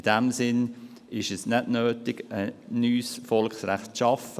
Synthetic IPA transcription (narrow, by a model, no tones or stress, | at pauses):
ɪd̥ɛmsɪn | ɪʃɛsnɛdnøːtɪɡ̥ənyːsfɔlksrɛχtt͡sʃɑfə